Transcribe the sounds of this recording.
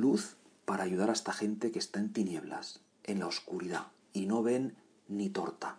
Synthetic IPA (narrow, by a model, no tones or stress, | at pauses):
luθ | paɾaːʝuð̞aɾaest̪axe̞nt̪e̞ke̞st̪ae̞nt̪inje̞β̞la̰s | e̞nlaoskuɾiða̰ | ino̞βe̞nː | it̪o̞ɾt̪a